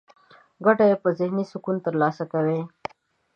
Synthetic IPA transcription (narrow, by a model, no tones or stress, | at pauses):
ɡaʈaepəzɪhnisʊkunt̪əɾlɑːsakawe